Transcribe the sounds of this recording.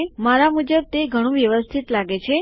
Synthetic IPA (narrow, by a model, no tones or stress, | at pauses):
maɾamud͡ʒəb̚t̪eɡʱəɽ̃ũʋjəʋəst̪ʰit̪laɡet͡ʃʰe